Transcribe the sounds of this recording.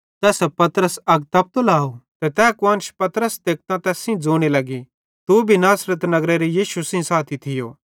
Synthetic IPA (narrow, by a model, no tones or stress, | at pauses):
t̪ɛːsɛpɐt̪ɾəsɐɡ̚t̪ɐp̚t̪olaːot̪ɛt̪ɛːkaːnʃpɐt̪əɾəsd̪eːk̚t̪ãt̪ɛːsĩd͡zoːɽ̃elɐɡi | t̪ubʱinaːsɾət̪nɐɡɾeɾejiːʃusĩsaːt̪ʰit̪ʰɪjoː